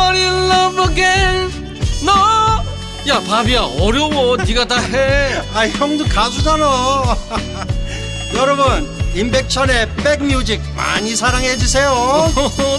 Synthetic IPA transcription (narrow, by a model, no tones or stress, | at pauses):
ʌɾilːʌbɯɡe | nʌ | japabiaʌɾjʌwoiɡataɦeaijʌŋdokad͡ʑud͡ʑanʌ | jʌɾʌbunimbek̚t͡ɕʰʌne̞p͈ek̚mjud͡ʑik̚ma̰ɲisʰaɾaŋɦed͡ʑusʰe̞jo